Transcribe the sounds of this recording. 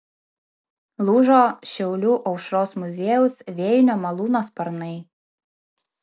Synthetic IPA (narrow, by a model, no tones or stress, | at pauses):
lˠuːʒoːʃʲɛʊlʲuːʔɐʊʃɾoːsmʊzʲeːjʊsʋʲeːjnʲoːmɐlˠuːnoːspɐɾnɐɪ